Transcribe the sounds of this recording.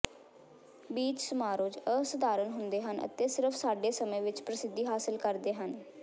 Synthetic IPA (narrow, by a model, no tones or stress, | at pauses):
biːt͡ʃsʊmaːɾoːd͡ʒəsʊd̪aːɾənɦʊnd̪eːɦənə̰t̪eːsɪɾəpʰsaːɖeːsəmẽːʋɪt͡ʃpɾəsɪd̪ːiːɦaːsɪlkəɾd̪eːɦən